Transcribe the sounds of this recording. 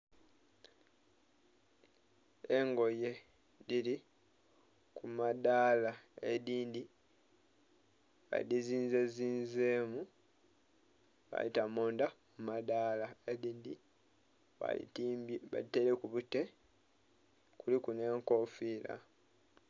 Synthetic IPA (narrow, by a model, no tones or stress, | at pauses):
e̞ŋɡo̞je̞ | dili | kumadaːlaeðiːndi | βa̰diziːnze̞ziːnzeːmu | βa̰litamoːndamumadaːlaeðiːndi | βa̰ḭβa̰liteɾekuβute̞ | kulikune̞ːŋko̞fiːla̰